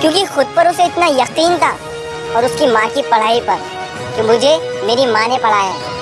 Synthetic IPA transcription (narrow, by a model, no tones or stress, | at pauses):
kjõːkixʊd̪̚pɐɾʊseɪt̪najɐqiːnt̪ʰaː | ɔːɾʊskimãːkipɐɽ̤aːipɐɾ | t̪omʊd͡ʒʱemeːɾimãːnẽpɐɽ̤aːjɛː